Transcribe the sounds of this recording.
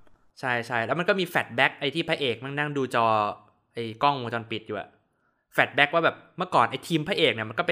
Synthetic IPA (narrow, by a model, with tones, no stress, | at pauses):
t͡ɕʰa˥˩jt͡ɕʰa˥˩jlɛ˦˥ma˧nkɔ˥˩miː˧fɛː˨˩t̪̚bɛ˦˥k̚ʔa˧jt̪ʰiː˥˩pʰaː˦˥˩jʔeː˨˩k̚ma˥˩ŋna˥˩ŋduː˧t͡ɕɔː˧ | ʔa˧jkɔ˥˩ŋo˧t͡ɕɔː˧npi˨˩t̪̚juː˨˩a̰˨˩ | fɛː˨˩t̪̚bɛ˦˥k̚waː˥˩bɛː˨˩p̚mɯ˥˩ɐkɔː˨˩nʔa˧jt̪ʰiː˧mpʰa˦˥˩ʔeː˨˩k̚ni˥˩m˧nkɔ˥˩pe˧